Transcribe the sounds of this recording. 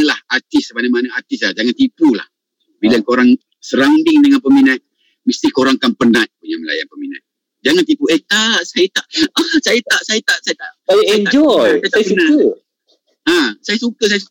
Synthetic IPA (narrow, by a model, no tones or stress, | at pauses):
lahat̪ɪsəbanamanaat̪ɪs̬lahd͡ʒaŋant̪ipula̰h | bilakoɾaŋ | səɾandɪŋdəŋanpəminat̪̚ | məst̪ikoɾaŋkanpənat̪̚puɲaməla̰ja̰npəmina̰t̪̚ | d͡ʒaŋant̪ipuʔet̪aʔsajat̪aʔasajat̪aʔsajat̪aʔsajat̪aʔajaɛɲd͡ʒɔjasana | asajasukəs̬ajasu